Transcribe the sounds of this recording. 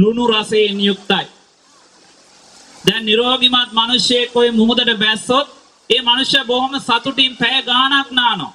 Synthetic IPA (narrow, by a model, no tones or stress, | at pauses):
ɾunuɾɐseːnijuk̚t̪ɐj | d̪ɛnːiɾoːɡimat̪̚mɐnuʃjekːoimumud̪ɐʈɐbæsːot̪̚ | eːmɐnuʃjɐboɦoməsɐt̪uʈiːmpɛjɡaːanaknaːno̰